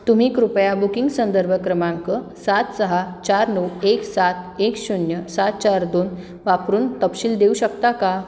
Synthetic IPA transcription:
t̪um̤iːkɾupəjabukiŋɡsənd̪əɾbʱəkɾəmãŋkə | sat̪səɦat͡ɕaɾnəweksat̪ʰekɕunjəsat̪̚t͡ɕaɾd̪on | ʋapɾuːnt̪əpɕiːld̪euɕəkt̪aka

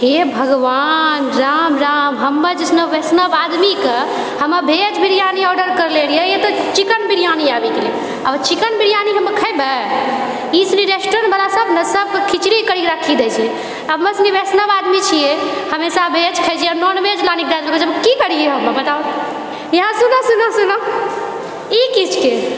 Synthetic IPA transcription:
ɦebʱəɡʋanɾamɾamɦəmːəd͡ʒisnəbesnəbad̪mikə | həmːəbʱed͡ʒbʱiɾijaniɔɖəɾkəɾleɾijejet̪ɔt͡ʃikənbiɾijaniabekelie | at͡ʃikənbiɾjaniɦəməkʰəjbə | isniɾesʈɾənbəlasəbnəsəbkʰit͡ʃɾikəɾiɾakʰːid̪ɛt͡ʃʰ | əbməsnibʱesnəbad̪mit͡ʃʰijehəmesabʱed͡ʒkʰəjd͡ʒʰijənɔnbʱed͡ʒlanik̚d̪ad͡ʒ̪ləbet͡ʃəbkikəɾieɦəməbət̪a | jɦãsunasunasuna | ikit͡ʃʰke

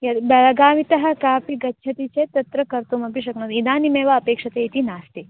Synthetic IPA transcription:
jɐbɐɭɐɡaːʋit̪ɐɦɐ̆kaːpiɡɐtːt͡ʃʰɐt̪it͡ʃeːt̪ɐt̪ɾɐkɐɾt̪umɐpiʃɐknod̪id̪aːnimeːʋaɐpeːkʂɐt̪eːit̪inaːst̪eː

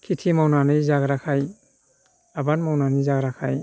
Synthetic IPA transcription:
kʰitʰimawnanɯjzaɡɾakʰaj | abatmawnanɯzaɡɾakʰaj

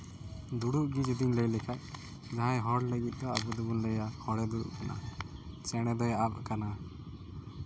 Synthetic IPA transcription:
d̪uɽuʔɡid͡ʒid̪iŋləjlɛkʰaʔ̚ | d͡ʒaɦajɦɔɽləɡit̪̚ˀd̪ɔabud̪ubunlɛjahɔɽɛd̪uɽṵʔkana̰t͡ʃɛɽ̃ɛd̪ɔjab̚kana

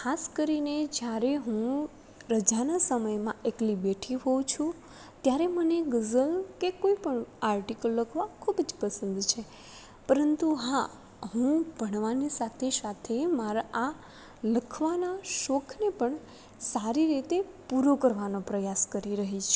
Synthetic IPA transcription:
kʰaskəɾined͡ʒjaɾeɦũ | ɾəd͡ʒanasəməjmãeklibeʈʰiɦot͡ʃʰũ | t̪jaɾeməneɡəzəlkekoipəɳaɾʈikəlːəkʰʋakʰubd͡ʒpəsənd̪t͡ʃʰe | pəɾənt̪uɦa | ɦũbʱəɳ̃ʋanisat̪ʰesat̪ʰemaɾaʔa | ləkʰʋanaʃokʰnepəɳ | saɾiɾit̪epuɾokəɾʋanopɾəjaskəɾiɾəɦit͡ʃʰ

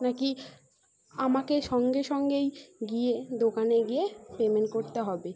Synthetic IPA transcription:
naki | amakeʃɔŋɡeʃɔŋɡejɡied̪okaneɡiepemenʈ̚koɾt̪eɦɔbe

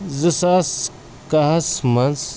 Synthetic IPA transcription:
zɨsaːs | kaɦɐsmɐns

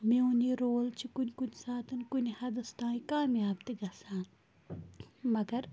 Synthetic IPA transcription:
mẽʊniːɾoːlt͡ʃʰikʊnʲkʊnsaːt̪ʰɨnkʊnihɐd̪ɐst̪ãːikaːmjaːbt̪eɡɐsãː | mɐɡɐɾ

